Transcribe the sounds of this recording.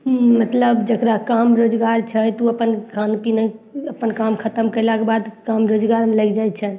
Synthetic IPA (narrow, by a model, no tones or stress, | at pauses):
mət̪ləbd͡ʒəkɾakamɾod͡ʒɡaɾt͡ʃʰəjt̪uəpənkʰanukinəəpənkamkʰət̪əmkəjlakebad̪kamɾod͡ʒɡaɾmeləjkʰd͡ʒajt͡ʃʰən